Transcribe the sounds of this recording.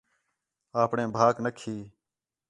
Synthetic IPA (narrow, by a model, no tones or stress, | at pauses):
aːpɳẽːbʱaːknəkʰiː